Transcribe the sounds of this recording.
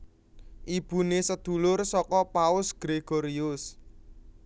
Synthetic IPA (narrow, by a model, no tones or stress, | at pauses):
ʔib̥ṳnesəd̪̥ṳlʊrsɔkɔpaʊsɡ̥ɾeɡ̥oɾiʊs